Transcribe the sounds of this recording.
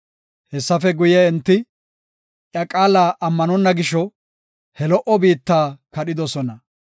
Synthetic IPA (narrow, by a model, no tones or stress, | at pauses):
hɛsːɐfɛɡʊjɛɛnt̪ːɪ | ʔjɐkʼaːlaːʔɐmːɐnɔnːɐɡɪʃɔ | hɛlɔʔɔbiːt̪ːaːkɐɗɪd̪ɔsɔnɐ